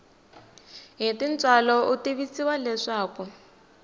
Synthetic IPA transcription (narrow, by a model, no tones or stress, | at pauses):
ɦitint͡sʼalɔʔutiβisiwalɛʂaːku